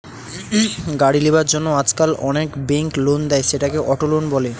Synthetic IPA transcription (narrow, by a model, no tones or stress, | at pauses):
ɡaɽilebaɾd͡ʑonːoad͡ʑkalɔnekbeŋklond̪ɛeʃeʈakeʔɔʈolonbɔle